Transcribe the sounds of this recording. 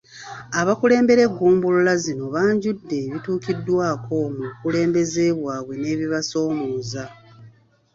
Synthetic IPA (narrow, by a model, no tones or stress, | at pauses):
aβakule̞ːmbe̞ɾe̞ɡːuːmbululazino̞βaːɲɟudːe̞βituːkidːwaːko̞mukule̞ːmbe̞ze̞ːβwaːβwe̞ne̞ːβiβaso̞ːmuːza